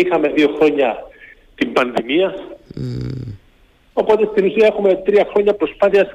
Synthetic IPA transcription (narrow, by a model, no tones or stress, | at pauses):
ixɐme̞ðio̞xɾo̞ɲɐ | t̪imbɐnðimiɐ | o̞po̞t̪e̞st̪inusiɐe̞xume̞t̪ɾiɐxɾo̞ɲɐpɾo̞spɐθiɐs